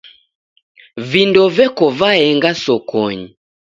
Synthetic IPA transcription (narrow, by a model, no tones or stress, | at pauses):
vindɔvɛkɔvaɛŋɡasɔkʰɔɲi